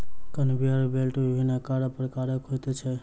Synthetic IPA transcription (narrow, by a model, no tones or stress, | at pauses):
kənbʱiaɾbelʈbibʱinakaɾəpɾəkaɾəkɦot̪ɛt͡ʃʰɛ